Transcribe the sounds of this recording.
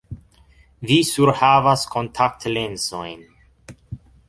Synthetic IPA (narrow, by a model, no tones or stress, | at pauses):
visuɾhavaskʰontʰak̚tlensojn